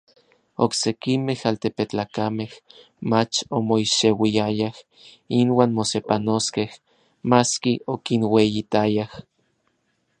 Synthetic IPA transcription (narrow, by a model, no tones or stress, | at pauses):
oksekimehalt̪epet͡ɬaːkameh | mat͡ʃomoiʃewiajah | inwaːnmosepanoskeh | maskiokinwejit̪ajah